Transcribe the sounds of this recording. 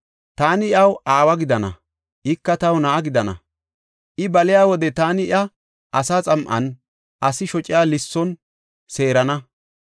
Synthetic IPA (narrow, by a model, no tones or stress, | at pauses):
t̪aːnɪɪɐwaːwɐɡɪd̪ɐnɐ̰ | ʔɪkːɐt̪ɐwnɐʔːɡɪd̪ɐnɐ̰ | ʔɪbɐlɪjaːwɔd̪ɛt̪aːnɪɪʔɐ | ʔɐsaːt͡sʼɐmʔɐ̰n | ʔɐsɪʃɔt͡ʃʼɪjaːlɪsːɔn | seːɾɐnɐ